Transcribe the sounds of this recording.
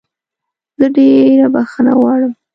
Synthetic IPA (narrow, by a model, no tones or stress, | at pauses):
zəɖeɾabaxəna̰wɑɽəm